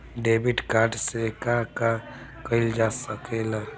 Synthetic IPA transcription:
ɖebiʈkaɾʈsekaka | kəɪld͡ʒasəkela

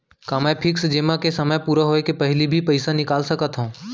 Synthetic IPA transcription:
kaməjpʰɪksd͡ʒeːmãkesɐməjpuːɾaɦoːekepɐɦɪlibʱipɐɪsanɪkaːlsəkət̪ɦõː

